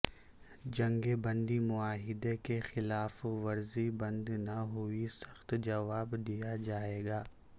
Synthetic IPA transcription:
d͡ʒɐ̃ŋɡebɐ̃nd̪imʊaːɦɪd̪ekexɪlaːfʋɐɾzibɐ̃nd̪naɦuisɐ̥xt̪d͡ʒɐʋaːbd̪ijad͡ʒaːeːɡaː

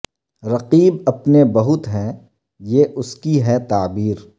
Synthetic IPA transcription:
ɾɐqiːbɐpnebɐɦʊt̪ɦɛ̃ | jeːʔʊskiɦɛt̪aːbiːɾ

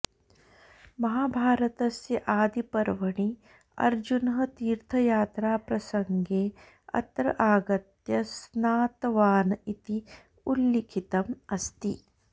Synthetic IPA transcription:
mɐɦaːbʱaːɾɐt̪ɐsjɐʔaːd̪ipɐɾʋɐɳi | ɐ̰ɾd͡ʒunɦɐ̆t̪iːɾt̪ʰɐjaːt̪ɾaːpɾɐsɐŋɡeː | ɐ̰t̪ɾɐʔaːɡɐt̪jɐsnaːt̪ɐʋaːnɐit̪i | ulːikʰit̪ɐmɐst̪i

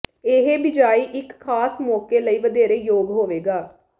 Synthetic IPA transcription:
eɦeːbɪd͡ʒaːiːʔɪkkʰːaːsmɔːkeːləiːʋəd̪eːɾeːjoːɡɦoːʋeːɡaː

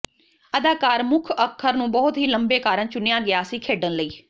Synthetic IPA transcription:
əd̪aːkaːɾmʊkʰəkʰːəɾnũːbɔːt̪ɦiːləmbeːkaːɾəɳt͡ʃʊnjaːɡɪjaːsĩːkʰeːɖənləiː

